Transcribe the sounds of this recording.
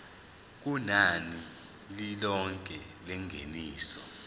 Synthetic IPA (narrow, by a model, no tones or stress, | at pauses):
k̬unani | lilɔŋkʼɛlɛŋʱḛniːsɔ